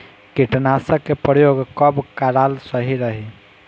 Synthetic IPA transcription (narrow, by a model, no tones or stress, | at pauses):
kiʈnasəkːepɾəjoɡkəbkaɾalsəɦiɾəɦi